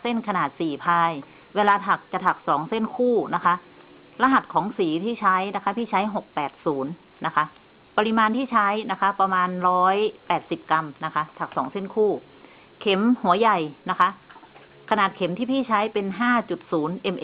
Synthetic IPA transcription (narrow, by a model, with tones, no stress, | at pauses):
se˥˩nkʰa˧naː˨˩t̪̚siː˨˩pʰaː˧j | weː˧laː˧t̪ʰa˨˩k̚t͡ɕa˨˩t̪ʰa˨˩k̚sɔː˩˦ŋse˥˩nkʰuː˥˩na˦˥kʰa˦˥ʔ | la˧ɦa˨˩t̪̚kʰɔː˩˦ŋsiː˨˩˦t̪ʰiː˥˩t͡ɕʰa˦˥jna˦˥kʰa˦˥pʰiː˥˩t͡ɕʰa˦˥jɦo˨˩k̚pɛː˨˩t̪̚suː˩˦n | na˦˥kʰa˦˥ʔ | pa˧ɾi˧maː˧nt̪ʰiː˥˩t͡ɕʰa˦˥jna˦˥kʰa˦˥pɾa˧maː˧nɾɔː˦˥jpɛː˨˩t̪̚si˨˩p̚ka˧mna˦˥kʰa˦˥ʔt̪ʰa˨˩k̚sɔː˩˦ŋse˥˩nkʰuː˥˩ | kʰe˨˩˦mhu˨˩˦ɐja˨˩jna˦˥kʰa˦˥ʔ | kʰa˧naː˨˩t̪̚kʰe˩˦mt̪ʰiː˥˩pʰiː˥˩t͡ɕʰa˦˥jpe˧nɦaː˥˩t͡ɕu˨˩t̪̚suː˩˦nʔe˧mʔ